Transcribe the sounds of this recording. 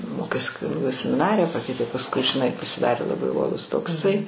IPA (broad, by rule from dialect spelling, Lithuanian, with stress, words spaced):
ˈmoːkʲeːs kʊnʲɪˈɡʊ sʲɛmʲɪˈnɑːrʲɪjɛ ˈpɑːkʲɛɪtʲeː pɐsˈkʊɪ ʒʲɪˈnɐɪ pɐsʲɪˈdɑːrʲeː lˠɐˈbɐɪ uɔˈlˠʊs toːkˈsɐɪ